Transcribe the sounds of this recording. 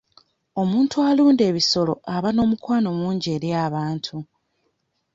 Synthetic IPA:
o̞muːntʰualuːnde̞ːβiso̞lo̞̰ʔaβano̞ːmukwaːno̞muːɲɟe̞ːɾjaːβaːntʰu

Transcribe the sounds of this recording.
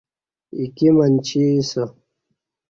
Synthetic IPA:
ikimɐnt͡ɕʰisɐ

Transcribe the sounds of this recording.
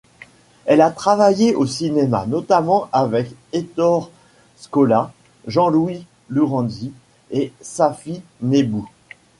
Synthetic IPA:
ɛlat̪χavajeʔosinema̰nɔt̪amɑ̃ʔavɛket̪ɔʁ | skɔla | ʒɑ̃lwi | luʁɑ̃d̪i | esafinebu

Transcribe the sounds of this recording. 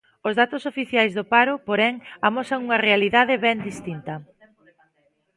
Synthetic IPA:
ʊzðat̪ʊsofiθjajzðʊpaɾʊpoɾɛŋamɔsɐŋuŋɐrealiðaðɪβɛnd̪ist̪int̪ɐ

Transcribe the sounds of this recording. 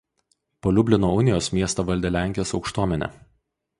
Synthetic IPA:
poːlʲʊbʲlʲɪnoːʊnʲɪjoːsmʲiɛst̪ɐːʋɐlʲd̪ʲɛlʲæˑŋʲkʲɪjoːsɒʊkʃt̪uɔmʲɛnʲɛ̰

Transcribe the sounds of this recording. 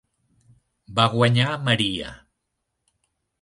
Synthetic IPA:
baɣwaɲamaɾia̰

